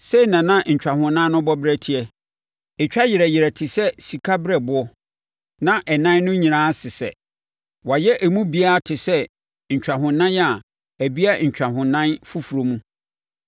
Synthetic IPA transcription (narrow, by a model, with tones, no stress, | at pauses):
se˦˨nã˨nã˦ɲ̩˨t͡ɕᶣa˨hʊ̃˨nã˦nʊ̃˦bɔ˦bɾɛ˦tʰi˨ɛ˨ | e˨t͡ɕᶣa˦jɪ˨ɾɛ˨jɪ˨ɾɛ˨tʰɪ˨sɛ˦si˨kʰa˦bɪ˦ɾɛ˨bʊ˨˦ɔ˦ | nã˦ʔɛ˨nã˦n˦nʊ̃˦ɲĩ˨nãː˦sɪ˨sɛ̰˨ | wa˨jɛ˦ʔæ˨mũ˦bi˦a˦˨tʰɪ˨sɛ˦ | ɲ̩˨t͡ɕᶣa˨ɦʊ̃˨nã˦n˦a˨ | æ˨bi˦a˦ɲ̩˨t͡ɕᶣa˨ɦʊ̃˨nã˦nfu˦fu˨ɾo˨mũ˦